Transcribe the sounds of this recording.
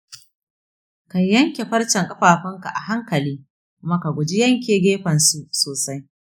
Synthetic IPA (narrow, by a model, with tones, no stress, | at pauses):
kɐ˨ɲjɐ˦ŋkʲe˨ɸɐ˦ɽt͡ʃɐ˨ŋkʼɐ˦ɸaː˨ɸɐ˦ŋka˨ʔa˨ɦa˦ŋkɐ˨liː˦ | mɐ˦ka˨ɡʷʊ˨d͡ʒi˦jɐ˦ŋkʲeː˨ɡʲeː˦ɸɐ˨nsu˦soː˨sa˦j